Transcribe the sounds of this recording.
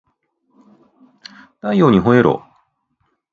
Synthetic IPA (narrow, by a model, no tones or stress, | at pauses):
t̪ajjoːɲ̟iɦoeɾo̰